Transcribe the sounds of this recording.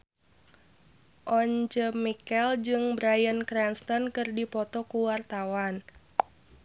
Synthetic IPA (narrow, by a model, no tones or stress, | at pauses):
ʔɔɲd͡ʒəmikɛld͡ʒɨŋbɾajənkɾɛnst̪ɔnkɨrdipɔt̪ɔkuwart̪awan